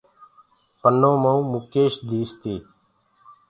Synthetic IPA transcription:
pənːõːməũːmʊkeːʃd̪ʱiːst̪iː

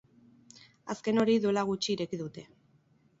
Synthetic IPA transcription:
aske̞no̞ɾiðuelaɣ̞ut͡ʃiːɾe̞kiðut̪e̞

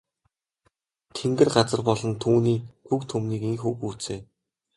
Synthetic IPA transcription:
t̪ʰeŋɡɘ̆rɢat͡sə̆rpɔɮɞ̆nt̪ʰuːniːkɡukt̪ʰɵmniːkiŋxuːxuːt͡seː

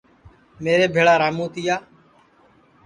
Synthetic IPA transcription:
meːɾeːbʱeːɭaːɾaːmũːt̪ɪjaː

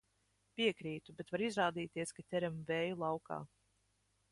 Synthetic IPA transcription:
piɛkɾiːt̪ubɛt̪vaɾizɾaːd̪iːt̪iɛskat̪ʲɛɾamvɛːjulˠawka̰ː

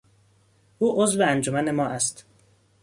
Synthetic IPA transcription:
ʔuːʔozveænd͡ʒomæne̞mɒːʔæst̪

